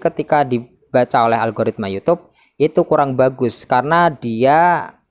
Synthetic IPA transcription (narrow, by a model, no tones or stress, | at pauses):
kət̪ikadi | b̥at͡ʃaolɛɦalɡoɾɪt̪̚majut̪ʊp̚ | ʔit̪ukuɾaŋbaɡʊskaɾənadia